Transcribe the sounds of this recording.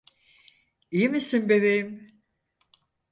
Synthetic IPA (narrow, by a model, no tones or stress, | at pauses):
ijimisimbeβejim